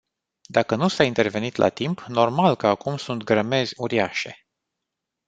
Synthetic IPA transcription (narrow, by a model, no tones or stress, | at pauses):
d̪akənusaint̪e̞rve̞nit̪lʔa̰t̪impno̞rmalkəakumsunt̪ɡɾəme̞zʲuɾiaʃe̞